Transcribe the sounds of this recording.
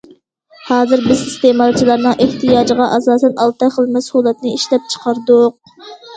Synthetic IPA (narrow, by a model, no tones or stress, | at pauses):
hɑːzɨɾbɪzist̪emɑlˠɨt͡ʃʰilˠɑɾnɨŋʔeht̪ijɑːd͡ʒʁɑʔɑsɑːsɛnʔɑlˠt̪ɑχəlˠmɛshulˠɛt̪nɪiʃlɛp̚t͡ʃʰə̥qʰɑɾd̪uq̚